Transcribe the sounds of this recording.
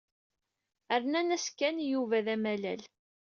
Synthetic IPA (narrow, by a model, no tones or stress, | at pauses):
æɾnænæskːænjuvæðæmælæl